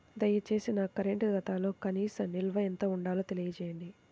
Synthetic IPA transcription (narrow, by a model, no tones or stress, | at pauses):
d̪ɐjːɐt͡ʃe̞ːsinɐkɐɾeɳʈɡ̪ɐt̪aːlo̞ːkɐniːsɐmnilʋɐɛnt̪ɐuɳɖaːloːt̪e̞lijɐt͡ʃɛːjɐɳɖi